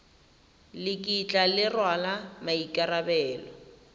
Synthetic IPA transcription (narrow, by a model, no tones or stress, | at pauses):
lɪkʼit͡ɬʼalɪrwalamaikʼarabɛːlɔ